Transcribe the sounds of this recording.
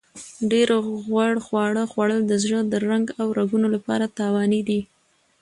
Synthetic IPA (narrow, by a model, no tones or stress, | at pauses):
ɖeɾɣwaɽxwɑɽəxwaɽəld̪əzɻəd̪əɾaŋɡawɾaɡunolapɑ̰ɾat̪ɑwɑnid̪i